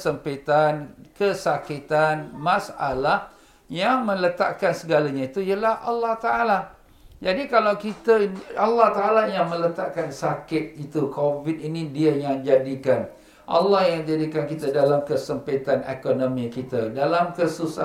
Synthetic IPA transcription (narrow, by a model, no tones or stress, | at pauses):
səmpet̪ankəsakit̪anmãsa̰lah | jaŋmə̃lət̪a̰ʔkansəɡalaɲait̪uijəlahʔalːɑht̪aʔala | d͡ʒadikalawkit̪əalːɑht̪aʔalajaŋmə̃lət̪aʔkansakɪt̪̚it̪ukʰovit̪̚inidiajaŋd͡ʒadikan | ʔa̰lːɑhjaŋd͡ʒadikankit̪adalamkəsəmpet̪anḛkonõmĩkit̪adalamkəsusa